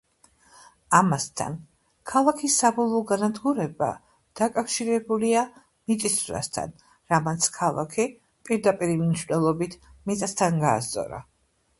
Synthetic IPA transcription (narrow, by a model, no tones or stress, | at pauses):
amast̪ʰa̰n | kʰalˠakʰisːabɔlˠɔːɡanad̪ɡuɾɛba̰ | d̪̥akʼafʃiɾɛbulia | mit̪ʼisɾa̰st̪ʰa̰n | ɾamat̪sʰkʰalˠa̰kʰi | pʼiɾd̪apʼiɾimniʃvnɛlˠɔbit̪ʰmit̪ʼast̪ʰanɡa̰ːst̪sʼɔ̰ɾa̰